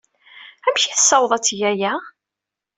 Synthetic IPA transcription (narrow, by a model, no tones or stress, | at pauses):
æmçiθə̥sːɑwðˤæt͡sːjæjæ